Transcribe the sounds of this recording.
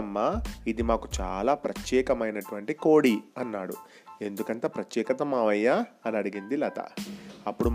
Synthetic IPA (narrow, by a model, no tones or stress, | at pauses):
ɐmːaid̪imaːkut͡ʃa̰ːlaːpɾɐt̪jɛːkɐmɐjnɐʈuʋɐɳʈiko̞ːɽiɐnːaːɽṵ | e̞nd̪ukɐnt̪aːpɾɐt̪jɛːkɐt̪ɐmaːʋɐjːaːɐnɐɽiɡind̪ilɐːt̪ɐ̰ɐpːuɽu